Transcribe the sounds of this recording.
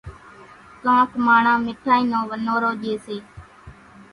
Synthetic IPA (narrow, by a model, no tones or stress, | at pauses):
kãːt̪maːɳãːmɪʈʰaːiːnõːʋənoːɾoːʄeːseː